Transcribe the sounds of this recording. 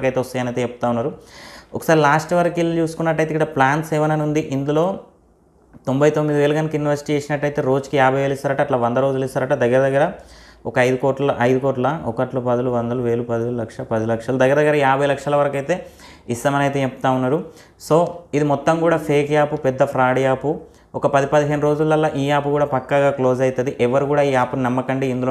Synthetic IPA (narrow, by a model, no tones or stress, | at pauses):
kɐjt̪e̞ːɔst̪ɐjɐnɐjt̪eepːut̪aːunːaːɾuɔkɐ̥saːɾilaːsʈʋɐɾkilt͡ʃuːsu̥kunːɐʈ̬ːɐjt̪eikːɐɽɐplaːnʈseːʋɐnɐnund̪iʔind̪ulo̞ː | t̪o̞mbɐjt̪omːid̪iʋe̞ːluɡɐnikjunːiʋɐɾsi̥ʈit͡ʃeːsinɐʈːɐjt̪e̞ːɾo̞ːd͡ʒkijaːbʱɐjʋeːlist̪aːɾɐʈɐːʈlaːʋɐnd̪ɐɾo̞ːd͡ʒulist̪aːɾɐʈad̪ɐɡːɐɾɐd̪ɐɡːɐɾɐɔkɐɐjd̪ukoːʈlɐɐʔɐjd̪ukoːʈlɐaːɔkɐʈlupɐd̪ɐluʋɐnd̪ɐluʋe̞ːlupɐd̪iulɐkʂɐpɐd̪ilɐkʂɐlud̪ɐɡːɐɾɐd̪ɐɡːɐɾɐjaːbʱɐjlɐkʂɐlɐʋɐɾɐkɐjt̪e̞ː | ist̪ɐmɐnɐjt̪e̞ːept̪aːunːaːɾu | so̞ːid̪imɔt̪ːɐmkuːɽaːpʰeːkjaːpupɛd̪ːɐpʰɾaːɽijaːpu | ɔkɐpɐd̪ipɐd̪iɦeːnuɾo̞ːd͡ʒulːɐlːaʔiːaːpukuːɽaːpɐkːaɡaːklo̞ːd͡ʒɐjt̪ɐd̪iʔɛʋɐɾukuːɽaːiːaːpːunɐmːɐkɐɳɖiind̪ulo